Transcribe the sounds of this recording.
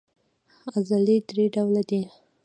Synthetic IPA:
azalid̪ɾeɖawlad̪i

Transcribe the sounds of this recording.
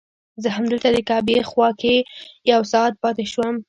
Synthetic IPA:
zəɦamd̪əlt̪ad̪əkɑbexwɑkejawsɑt̪̚pɑt̪eʃwəm

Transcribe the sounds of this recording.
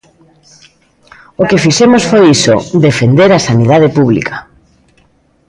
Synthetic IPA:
okefisɛmosfojiso̰ðefend̪eɾasaniðaðepuβlḭkʰḁ

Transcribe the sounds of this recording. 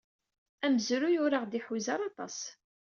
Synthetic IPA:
æməzɾujʊɾaʁd̪iħuzɑɾˤɑt̪ˤɑ̰s

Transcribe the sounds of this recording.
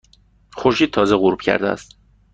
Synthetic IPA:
xoɾʃiːd̪̚t̪ʰɒːzeɣuɾb̥cʰæ̰ɾd̪eæ̰st̪

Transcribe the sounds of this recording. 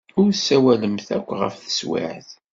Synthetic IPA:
ʊɾsːæwæləmθækʷːʁə̰fθə̥swɪ̰ʕθ

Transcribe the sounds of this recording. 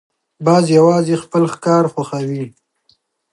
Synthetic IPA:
bɑzjawɑzexpəlxkɑɾxaxawi

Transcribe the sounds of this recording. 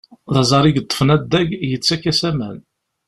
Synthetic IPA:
ðɑzˤɑɾiɡət̪ˤːə̥fənæd̪ːæɡjət͡sːækːæsæmæn

